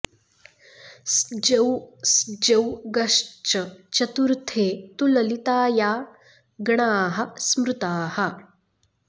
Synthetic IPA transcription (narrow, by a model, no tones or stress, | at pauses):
sd͡ʒɐwsd͡ʒɐwɡɐʂt͡ʃɐt͡ʃɐt̪uɾt̪ʰeːt̪ulɐlit̪aːjaː | ɡɐɳaːɦɐ̆smɾut̪aːhɐ